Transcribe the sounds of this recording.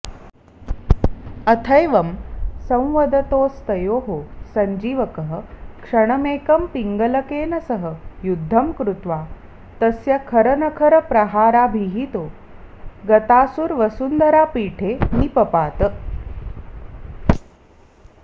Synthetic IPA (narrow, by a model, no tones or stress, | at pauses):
ɐt̪ʰɐjʋɐmsɐ̃w̃ʋɐd̪ɐt̪oːst̪ɐjoːɦosɐɲd͡ʒiːʋɐkəɦəkʂɐɳ̃ɐmeːkɐmpiŋɡɐlɐkeːnɐsəɦəjud̪ʱːɐmkɾut̪ʋa | t̪ɐsjɐkʰɐɾɐnɐkʰɐɾəpɾɐɦaːɾabʱiɦit̪oː | ɡɐt̪aːsuɾʋɐsund̪ɐɾaːpiːʈʰeːmipɐpaːt̪ə